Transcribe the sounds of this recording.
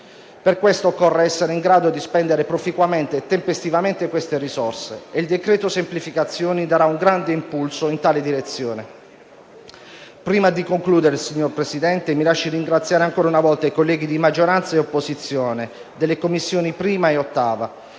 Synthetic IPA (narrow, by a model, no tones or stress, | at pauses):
perkwest̪oːkːɔrːeɛsːeɾeiŋɡɾaːd̪od̪ispɛnd̪eɾepɾofikwament̪eːt̪ːempest̪ivament̪ekwest̪erisɔrseːild̪ekɾɛːt̪osemplifikat̪sːjoːnid̪aɾauŋɡɾand̪eimpulsoint̪aːled̪iɾet̪sːjoːne | pɾiːmad̪ikoŋkluːd̪eɾesiɲːorpɾesid̪ɛnt̪emilaʃːiriŋɡɾat̪sjaːɾeaŋkoːɾaunavɔlt̪aijkolːɛːɡid̪imad͡ʒoɾant̪saeopːozit̪sːjoːne | d̪elːekomːisːjoːnipɾiːmaeot̪ːaːva